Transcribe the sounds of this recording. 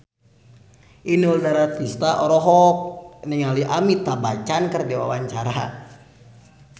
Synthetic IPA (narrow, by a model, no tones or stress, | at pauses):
ʔinuldaɾat̪ist̪aʔɔɾɔɦɔk̚nɛŋaliʔamit̪abat͡ʃankərdiwa̰waɲt͡ʃaɾa